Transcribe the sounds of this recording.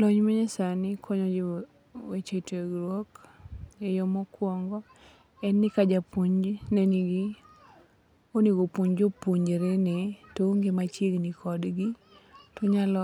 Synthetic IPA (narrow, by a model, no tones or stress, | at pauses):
lɔɲmaɲɛsanɪkʰɔɲɔd͡ʒi | wet͡ʃetʰeɡɾwɔk | ejɔmɔkwɔŋɡɔ | ɛnːɪkad͡ʒapuɲd͡ʒneniɡi | oniɡopuɲd͡ʒopuɲd͡ʒeɾenetoŋɡemat͡ʃeɡnikʰɔdɡi | tɔɲalɔ